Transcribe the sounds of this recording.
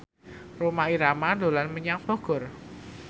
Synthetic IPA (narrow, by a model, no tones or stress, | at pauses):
romaiɾamado̤lanməɲaŋb̥ɔɡ̥ɔ̤r